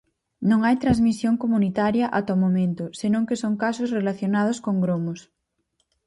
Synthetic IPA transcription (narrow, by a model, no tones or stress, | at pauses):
nõŋajt̪ɾazmisjoŋkomunit̪aɾjɐʔat̪ɔmomẽnt̪ʊsenõŋkesoŋkasosrelaθjonað̞oskoŋɡɾomos